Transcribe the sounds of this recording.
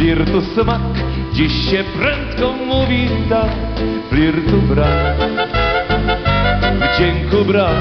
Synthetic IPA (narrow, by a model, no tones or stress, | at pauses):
liɾt̪usmakd͡ʑiɕːɛpɾɛnt̪kɔmuvʲit̪aplʲiɾt̪ubɾa | d͡ʑɛŋkubɾa